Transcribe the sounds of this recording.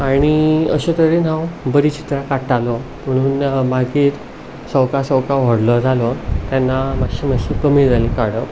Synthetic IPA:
aɽ̃iəɕet̪əɾen̤ãwbəɾit͡ɕi̥t̪ɾakaʈalɔ | m̤əɽ̃uːnmaɡiːɾ | səwkasəwkaʋ̤əɽlɔd͡zʱalɔt̪janːamakɕimaɕikəmiːd͡zajlikaɽə

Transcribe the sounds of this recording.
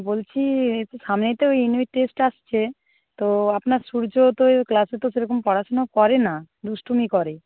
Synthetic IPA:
bolt͡ɕʰiet̪oʃamnet̪eojinuiʈ̚ʈesʈaʃt͡ɕʰe | t̪oapnaɾʃuɾd͡ʑot̪oklaset̪oseɾokompɔɾaʃonakɔɾena | d̪uʃʈʰumikɔɾe

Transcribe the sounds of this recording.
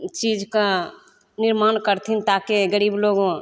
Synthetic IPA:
t͡ʃiːd͡ʒka | nɪɾmaːnkəɾt̪ʰint̪aːkeɡəɾiːbloːɡõ

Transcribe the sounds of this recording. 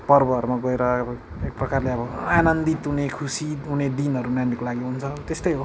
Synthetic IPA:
pʌrbʌɦʌɾumaɡʌeɾʌbʌ | ek̚prʌkarleʌbʌanʌnd̪it̪ɦunekʰusiɦuned̪inʌɾunandikolaɡiɦunt͡sʰʌt̪est̪ʌjɦo

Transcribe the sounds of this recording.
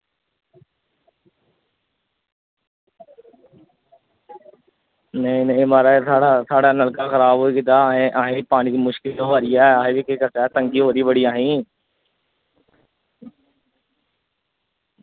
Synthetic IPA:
nɐĩnɐĩmaːɾasʰaːɽatʰaːɽanəlkaxəɾaːboːikɪt̪aːɦẽʔaːɦẽbipaːñik̪imʊʃkɪlɦoːaːɾiɛãːɦẽbikeːkəsaːt̪ə̃ŋɡiɦoːɾibəɽiaːɦĩː

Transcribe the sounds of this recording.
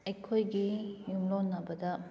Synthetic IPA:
ɐjkʰojɡijumlonɐbɐdɐ

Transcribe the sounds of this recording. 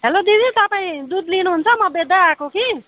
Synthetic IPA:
ɦelod̪id̪ʱit̪ʌpaĩd̪ud̪linuɦunt͡sʰʌmʌbed̪aakoki

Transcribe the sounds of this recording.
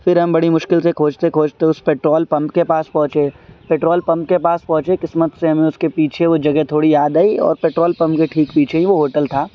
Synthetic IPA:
fɪɾɦɐ̃mbɐɽimʊʃkɪlsekʰoːd͡ʒt̪ekʰoːd͡ʒt̪eʊspeːʈɾoːlpɐ̃mpkepaːspɐ̃ɦʊ̃t͡ʃepeːʈɾoːlpɐ̃mpkepaːspɐ̃ɦʊ̃t͡ʃekɪsmət̪seɦɐmẽʊskepiːt͡ʃʰeʋod͡ʒɐɡɛt̪ʰoːɽijaːd̪aːiɔ̰ːɾpeːʈɾoːlpɐ̃mpkeʈʰiːkpiːt͡ʃʰeɦĩʋoɦoːʈəlt̪ʰaː

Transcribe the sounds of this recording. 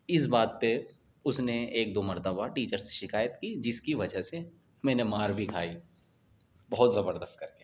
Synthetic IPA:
ɪsbaːd̪̚pe | ʊsneeːkd̪oːmɐɾt̪əbaʈiːt͡ʃəɾse̥ʃɪkaːjət̪kid͡ʒɪskiʋɐd͡ʒəse | mɛ̃ːnemaːɾbʱikʰaːi | bɐɦʊt̪zɐbəɾd̪əst̪̚kɐɾkeː

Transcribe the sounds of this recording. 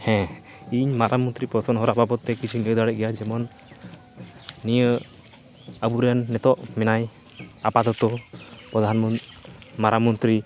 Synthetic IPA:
hɛ̃ | iɲmaɾʔamɔnt̪ɾipɔsɔnɦɔɾababɔt̪ːɛkit͡ʃʰiliəd̪aɽɛɡɛjad͡ʒɛmɔn | ijə | əbuɾɛjanːɛt̪ɔʔmɛnaj | apad̪ɔt̪ɔpɾɔd̪ʱanmɔmaɾamɔnt̪ɾi

